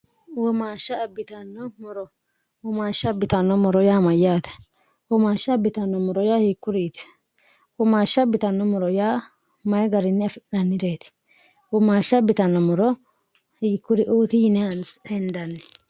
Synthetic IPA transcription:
wɔmaːʃːɐːbːɪt̪ɐnːɔmɔɾɔ | wɔmaːʃːɐbːɪt̪ɐnːɔmɔɾɔjaːmɐjːaːt̪ɛ̥ | wɔmaːʃːɐbɪt̪ɐnːɔmɔɾɔjaːhiːkːʊɾiːt̪ɛ̥ | wɔmaːʃːɐbɪt̪ɐnːɔmɔɾɔjaː | mɐjɛɡɐɾɪnːɪɐfɪnɐnːɪd̪eːt̪ɛ̥ | wɔmaːʃːɐbɪt̪ɐnːɔmɔɾɔ | hiːkːʊɾɪʔoːt̪ɪjɪnɛɐnsɛnd̪ɐnːɛ

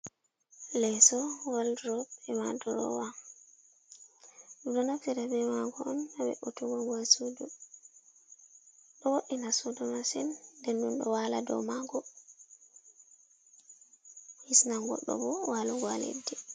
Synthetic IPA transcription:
lɛsɔwaldɾɔbɛmadɔɾɔ̰wa | ɗudɔnafiɾabɛmaɡɔɔnabɛ̰ʔɔtɔɡɔɡwasudu | ɗɔwoɗːinasudɔmasɛnːdɛnɗunɗɔwaladɔ̰maɡɔ | hisnaŋɡɔ̰ɗːɔ̰bɔwalɔɡwalḛdːɛ

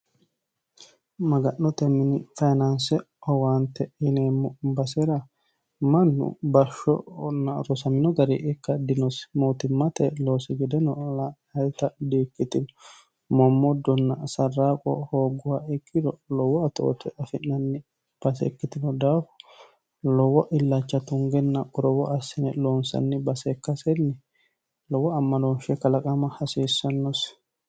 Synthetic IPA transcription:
mɐɡɐnːɔt̪ɛmːɪnɪfɐjnɐnsɛ | ɔwant̪ːɛɪneːmɔbɐsɛɾɐ | mɐnːʊ̰bɐʃːɔ̰nːɐɾɔsɐmɪnɔɡɐɾɛʔɪkːɐd̪ɪnɔsmoːt̪ɪmːɐt̪ɛlo̞ːsɪɡɛd̪ɛnɔla | ɐjt̪ɐd̪iːkːɪt̪ɪnɔ | mɔmːɔd̪ːɔnːɐsɐrːaːkʼɔ̰hoːɡʊwaɪkːɪd̪ɔlɔwːɔɐt̪o̰ːt̪ɛʔɐfɪnːɐnːɪ | b̥ɐsɛ̰kːɪt̪ɪnɔd̪aːfʊ̥ | lɔwɔʔɪlːat͡ʃːɐt̪ʊŋɡɛnːɐkʼɔɾɔwɔʔɐsːɪnɛloːnsɐ̰nːɪbɐsɛkːɐsɛnːɪ | lɔwɔɐmːɐnoːnʃɛkːɐlɐkʼɐmɐhɐsiːsːɐnːɔs

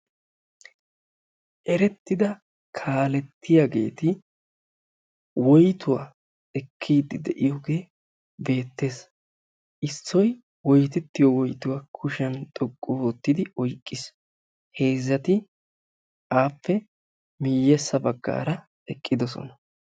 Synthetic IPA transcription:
ʔɛɾɛt̪ːɪd̪ɐ | kʰaːlɛt̪ːɪjaɡe̞̰ːt̪ɪ | wɔjt̪ʊwa̰ː | ɛkʰːiːd̪ɪd̪ɛʔɪjɔɡeː | be̞ːt̪ːe̞ːs | ʔɪsːɔj | wɔjt̪ɛt̪ːɪjɔwɔjt̪ʊwaːkʰʊʃɐnt̪ʼɔkʼːʊwoːt̪ːɪd̪ɪɔjkʼːɪs | he̞ːzːɐt̪ɪ | ʔaːpːɛ | mɪjːɛsːɐbɐɡːa̰ːɾɐ | ɛkʼːɪd̪ɔsɔ̰nɐ

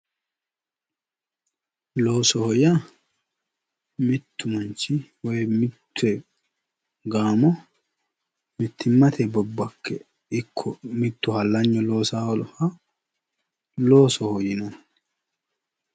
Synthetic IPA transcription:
lo̞ːsɔhɔja | mɪt̪ːʊmɐnt͡ʃːɪwɔjmɪt̪ʰːʊɛ | ɡaːmɔ | mɪt̪ːɪmːɐt̪ʰɛbɔbːɐkʰːɛ | ɪkʰːɔmɪt̪ːʊhɐlːɐɲːɔlo̞ːsaːwɔlɔhɐ | loːsɔhɔjɪnɔ

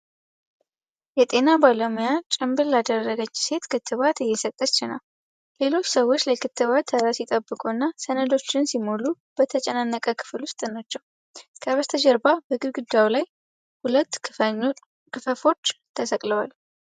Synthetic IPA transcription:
jɛt̪ʼe̞nabalomijat͡ʃʼɨmbɨllad̪ərːəɡət͡ʃːse̞t̪kʰɨt̪ʰːɨβat̪ɪjɛsət̪ʼːət͡ʃːɪna̰l | le̞lo̞t͡ʃːsəwːo̞t͡ʃːlajkʰɨt̪ʰːɨβat̪ʰːəɾasjɪt̪ʼəbːɨkʼuɨnːasənəd̪o̞t͡ʃːɪnsimolu | b̥ət̪ʰət͡ʃʼɛnanːəkʼəkʰɨ̥flwʊst̪ʼnat͡ʃːɛw | kʰəβəst̪ʰəd͡ʒəɾbabəɡɨɾɡɨd̪ːawlaj | hulət̪ː | kɨfəfo̞t͡ʃːt̪ʰəsəkʼləwal

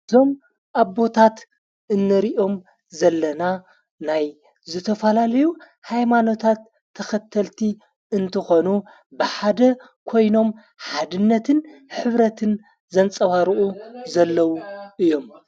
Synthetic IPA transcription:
ɨzo̞m | ʔaβːo̞t̪ʰat̪ | ʔɨnːɨɾiʔo̞m | zɐlːɐna | naj | zɨt̪ʰɐfɐlalɐju | hajmano̞t̪ʰat̪ʰːɐxɐt̪ʰɐlt̪ʰi | ɨnt̪ʰɨxo̞nu | bɨħad̪ɐ | kʰo̞jno̞m | ħad̪ɨnːɐt̪ʰɨnħɨβɾɐt̪ʰɨn | zɐnt͡sʼɐβaɾɨʔuzɐlːɐwuʔɨjːo̞m

